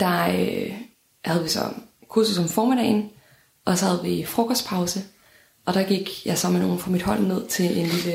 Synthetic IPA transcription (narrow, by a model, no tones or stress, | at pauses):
d̥ɑ̈ø | hæð̞ˠʋisɒ̽kʰuɐsusɒ̽mfɒːmed̥ɛ̰ːɪn | ʔɒ̽sɒ̽hæð̞̩ˠʋifʁɔ̽kʰɒsd̥pʰɑ̈ʊsə | ʔɒ̽ɾ̥ɑ̈ɡ̥iɡ̥jɑ̈sɒ̽məno̝ːn̩fʁɑ̈mid̥hɒ̽l̰ne̝ð̞̰ˠt͡sʰe̝ʔe̝nlilə